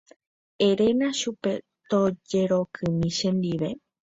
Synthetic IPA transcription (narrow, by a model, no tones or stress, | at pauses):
eɾenãʃupe̞ | t̪od͡ʒeɾokʰɨmĩʃend̪iʋe